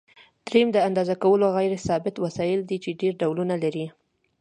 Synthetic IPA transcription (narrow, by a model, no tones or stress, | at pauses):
t̪ɾimd̪əand̪ɑzakawəloɣajɾesɑbɪt̪wasɑjɪld̪it͡ʃeɖeɾɖawlunalaɾi